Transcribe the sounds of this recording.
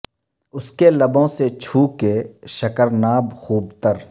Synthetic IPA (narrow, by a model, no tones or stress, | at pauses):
ʊskelɐbõset͡ʃʰuːkeʃɐkəɾnaːbxuːb̚t̪əɾ